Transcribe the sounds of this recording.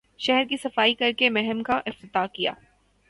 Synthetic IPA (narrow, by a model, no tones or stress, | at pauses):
ʃɛɦɛɾkisɐfaːikɐɾkemɛɦɛmkaʔɪft̪ɪt̪aːkija̰ː